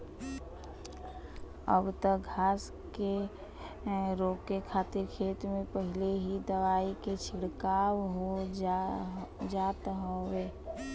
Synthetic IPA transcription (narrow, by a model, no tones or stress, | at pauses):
ə̰bt̪əkɡʱaːs | ke | ɾoːkekʰaːt̪ɪɾkʰeːt̪mẽpəɦɪleɦid̪əʋaːiket͡ʃʰɪɽkaːwɦo | d͡ʒaːt̪ɦoeː